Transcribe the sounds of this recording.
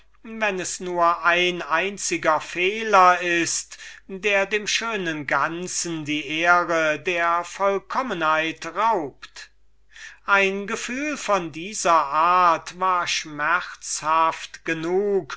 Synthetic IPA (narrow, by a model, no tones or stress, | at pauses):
vɛnɛsnuːɐʔaɪnaɪnt͡sɪɡɐfeːlɐɪstd̥eːɐdeːmʃøːnənɡant͡sn̩diːʔeːʁədeːɐfɔlkʰɔmənhaɪtʁaʊpt | ʔaɪnɡəfyːlfɔndiːzɐʔaːtvaːɐʃmɛʁt͡shaftɡ̥ənuːk